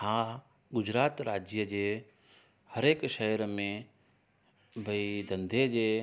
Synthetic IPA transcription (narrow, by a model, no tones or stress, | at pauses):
hãː | ɡʊd͡ʑɾaːt̪ɾaːd͡ʑjəd͡ʑeː | hɐɾeːkʃəɦɾmẽ | bʱɐid̪ɐ̃nd̪ʱed͡ʑeː